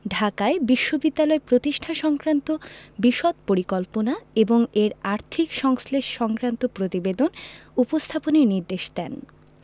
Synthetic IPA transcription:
ɖʱakaebiʃːobid̪ːalɔepɾot̪iʃʈʰaʃɔŋkɾant̪obiʃɔt̪̚poɾikɔlponaeboŋeɾaɾt̪ʰikʃɔŋsleʃʃɔŋkɾant̪opɾot̪ibed̪onupost̪ʰaponeɾniɾd̪eʃd̪ɛn

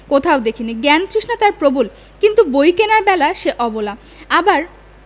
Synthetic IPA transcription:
kot̪ʰaod̪ekʰiniɡɛnkɾiʃnat̪aɾpɾobul | kint̪ubojkenaɾbɛlaʃeʔɔbola | abaɾ

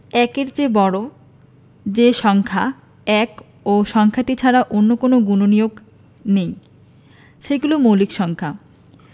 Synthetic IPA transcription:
ɛkeɾd͡ʑebɔɽo | d͡ʑeʃɔŋkʰa | ɛk | oʃɔŋkʰaʈit͡ɕʰaɾaʔonːokonoɡunonijoɡ | nej | ʃejɡulomolikʃɔŋkʰa

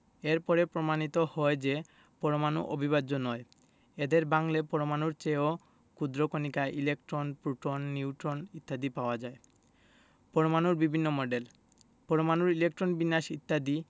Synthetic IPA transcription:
eɾpɔɾepɾomanit̪ohɔed͡ʑe | pɔɾomanṵʔobʱiβaːonɔe | ed̪eɾbaŋlepɔɾomanuɾt͡ɕeo | kud̪ɾokonikaʔilek̚ʈɾonpɾuʈonːiuwʈɾonit̪ːad̪ipaoad͡ʑae | pɔɾomanuɾbibʱinːomɔɖel | pɔɾomanuɾilek̚ʈɾonbinːaʃit̪ːad̪i

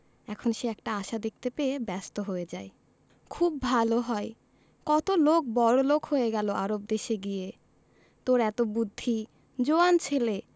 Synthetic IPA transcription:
ɛkʰonʃeɛkʈaaʃad̪ek̚t̪epeebɛst̪oɦoed͡ʑae | kʰub̚ːʱaloɦɔe | kɔt̪olok̚bɔɾolokɦojeɡɛloʔaɾob̚d̪eʃeɡije | t̪oɾɛt̪obud̪ʱːi | d͡ʑoant͡ɕʰele

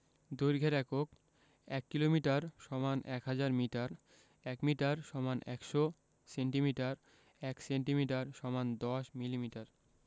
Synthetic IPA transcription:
d̪ujɾɡʱeɾɛkok̚ | ɛkːilomiʈaɾʃɔmanʔɛkɦad͡ʑaɾmiʈaɾ | ɛkmiʈaɾʃɔmanɛkʃo | seɳʈimiʈaɾ | ɛkseɳʈimiʈaɾʃɔmand̪ɔʃmilimiʈaɾ

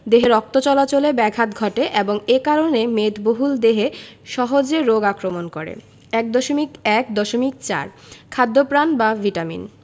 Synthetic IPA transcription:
d̪eɦeɾɔk̚t̪ot͡ɕɔlat͡ɕolebɛɡʱat̪ɡʱɔʈeʔeboŋekaɾonemet̪boɦuld̪eɦeʃɔɦod͡ʑeɾoɡakɾomonkoɾḛ | ɛk̚d̪oʃomikɛkd̪ɔʃomik̚t͡ɕa̰ɾkʰad̪ːopɾanbavʱiʈamḭn

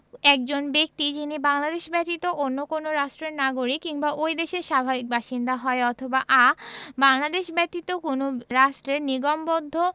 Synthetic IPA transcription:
ɛk̚d͡ʑonbek̚t̪id͡ʑinibaŋlad̪eʃbɛt̪it̪oʔonːokonoɾaʃʈɾeɾnaɡoɾikkiŋbaʔojd̪eʃeɾʃabʱabik̚baʃind̪aɦɔeɔt̪ʰobaʔabaŋlad̪eʃbɛt̪it̪okonoɾaʃʈɾeɾniɡombod̪ʱːo

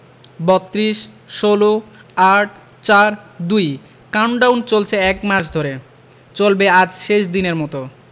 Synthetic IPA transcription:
bɔt̪ːɾiʃ | ʃoloaʈ̚ | t͡ɕaɾd̪uj | kawɳɖawnt͡ɕolt͡ɕʰeɛkmat͡ɕʰd̪ʱoɾe | t͡ɕolbead͡ʑʃeʃd̪ineɾmɔt̪o

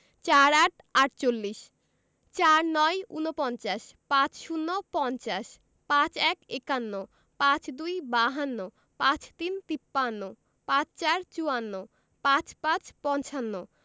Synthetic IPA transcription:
t͡ɕaɾaʈ | aʈt͡ɕolːiʃ | t͡ɕaɾnɔjṵnopɔnt͡ɕaʃpãt͡ɕʃunːopɔnt͡ɕaʃ | pãt͡ɕɛkekanːo | pãt͡ɕd̪ujbaɦanːo | pãt͡ɕt̪int̪ipːanːo | pãt͡ɕt͡ɕaɾt͡ɕuanːo | pãt͡ɕpãt͡ɕpɔnt͡ɕanːo

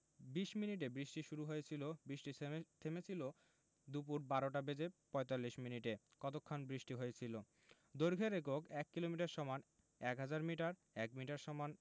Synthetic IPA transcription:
biʃminiʈ̬ebɾiʃʈiʃuɾuɦoet͡ɕʰilobɾiʃʈit̪ʰemet͡ɕʰilo | d̪up̬uɾbaɾoʈabed͡ʑepɔjt̪alːiʃminiʈe | kɔt̪okʰːanbɾiʃʈiɦoet͡ɕʰilo | d̪oɾɡʱeɾek̬okɛkːilomiʈaɾʃɔman | ɛkɦad͡ʑaɾmiʈaɾ | ɛkmiʈaɾʃɔman

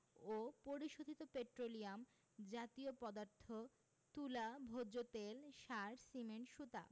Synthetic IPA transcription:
opoɾiʃod̪ʱit̪opeʈɾoliam | d͡ʑat̪iopɔd̪aɾt̪ʰːo | t̪ulabʱod͡ʑot̪elʃaɾsimenʃut̪a̰

